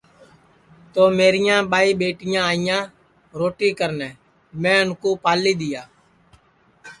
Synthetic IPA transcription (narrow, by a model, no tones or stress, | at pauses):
t̪oːmeːɾɪjãːɓaːiːɓeːʈɪjãːaːɪjãː | ɾoːʈiːkəɾnɛː | mɛ̃ːʊnkoːpaːliːd̪ɪjaː